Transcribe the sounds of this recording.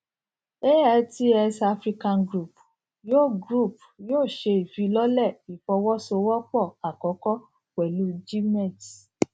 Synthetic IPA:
e˦a˧˨ti˦ɛ˧sa˧fɾi˦kã˧nɡɾu˦˨p | jo˦˨ɡɾu˦˨p | joː˦˨ʃe˧i˨fi˨˦lɔ˦lɛ˦˨i˨fɔ˧˦wɔ˦so˧wɔ˦k͡pɔ˦˨a˨kɔ˨˦kɔ˦ | k͡pɛ˨lu˨˦d͡ʒi˦mɛ˦˨t

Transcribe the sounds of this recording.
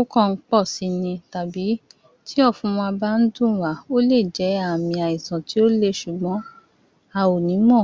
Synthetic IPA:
u˦kɔ̃˦˧˦k͡pɔ˦˨si˧nĩ˧ta˨bi˨˦ | ti˦ɔ˦˨fũ˧˦w̃ɔ̃˧a˧ba˦n̩˦dũ˦˨wa˨˦o˦le˦˨d͡ʒɛ˨˦a˦˨mĩ˧a˨ĩ˨sã˨ti˨˦o˦le˦˨ʃu˨ɡ͡bɔ̃˨˦ | a˧o˨nĩ˨˦mɔ̃˦˨

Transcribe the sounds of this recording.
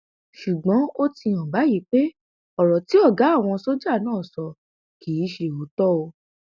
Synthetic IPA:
ʃu˨ɡ͡bɔ̃˨˦o˦ti˧ã˨ba˨˦ji˨˦k͡pe˦ | ɔ˦˨ɾɔ˨ti˨˦ɔ˦˨ɡa˨˦a˦˨w̃ɔ̃˧so˦d͡ʒa˦˨nãː˦˨sɔ˧ | ki˨˦ʃe˧˨o˨˦tɔ˦o˧

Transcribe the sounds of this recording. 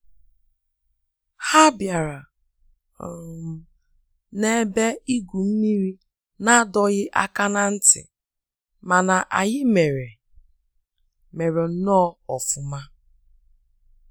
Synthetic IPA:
ha˦bja˨ɾa˨ | ne˦be˦i˦ɡʷu˨m̩˦mi˦ɾi˦ | na˦dɔ˦ɣɪ˦ʔa̰˦ka˦na˦n̩˦tɪ̰˨ | ma˨na˨ʔa̰˨ɣɪ˦me˨ɾe˨ | me˨ɾe˨˦nɔ˦ɔ˨fʊ˨ma˦

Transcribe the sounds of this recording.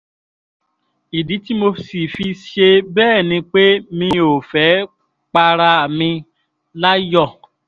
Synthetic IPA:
i˨di˨˦ti˦mo˧si˨fi˧ʃe˧bɛː˦˨nĩ˧k͡pe˦mĩ˧o˨fɛ˨˦ | k͡pa˧ɾa˧˨mĩ˧ | la˦jɔ˦˨

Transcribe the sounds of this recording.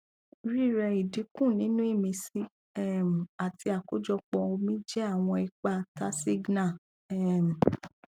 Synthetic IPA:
ɾi˦˨ɾɛ˧i˨di˨˦kũ˦˨nĩ˨˦nũ˦i˦˨mĩ˧si˦ | ɛ˦˨m˨a˨ti˧a˨ko˦d͡ʒɔ˧k͡pɔ̃˧o˧mĩ˦d͡ʒɛ˦a˦˨w̃ɔ̃˧i˧k͡pa˦˨ta˦si˦ɡna˦˨ | ɛ˦˨m̩˨

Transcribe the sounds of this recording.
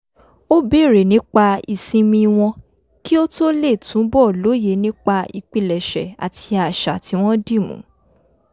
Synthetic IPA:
o˦be˦˨ɾe˨nĩ˨˦k͡pa˧i˨sĩ˧mĩ˧w̃ɔ̃˧ | ki˦o˦to˦le˦˨tũ˨˦bɔ˦˨lo˨˦je˨˦nĩ˦k͡pa˧i˧k͡pi˧˨lɛ˨ʃɛ̰˨a̰˨tʰi˧a˨ʃa˨ti˧w̃ɔ̃˦di˦˨mṵ̃˨˦

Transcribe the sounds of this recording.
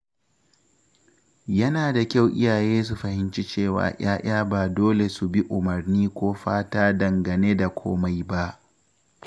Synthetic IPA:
jɐ˦naː˨da˨kʲa˦˨wʔɪ̰˦jaː˨jeː˦s̬u˨ɸɐ˨hɪ˦nt͡ʃi˦t͡ʃeː˦˨wa̰ː˨ʔaː˦j̰ʔaː˦baː˨doː˦le˨su˨bi˦ʔʊ˨mɐ˨rniː˦kʷoː˦ɸaː˦taː˦dɐ˨ŋɡɐ˨neː˦da˨kʷʰo̰ː˦ma˦jba˦ʔ

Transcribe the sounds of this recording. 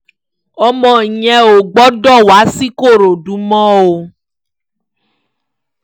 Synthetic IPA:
ɔ˧mɔ̃˨˧i˨ɲɛ̃˧o˨ɡ͡bɔ˨˦dɔ˦˨wa˨˦si˦ko˦˨ɾo˨du˨˦mɔ̃˦o˧

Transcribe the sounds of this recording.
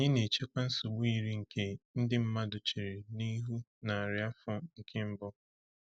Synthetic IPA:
o˨ɲɪ˦ne˨t͡ʃe˦kʷa˦n̩˦sʊ˨ɡ͡bʊ˦i˨ɾi˦ŋ̩˨kʰe˦n̩˦dɪ˦m̩˦ma˦dʊ˨t͡ʃi˨ɾe˨ni˦ɦu˦na˨a˨ɾɪ˨˦a˦fɔ˦ŋ̩˨kʰe˦m̩˦bʊ˦

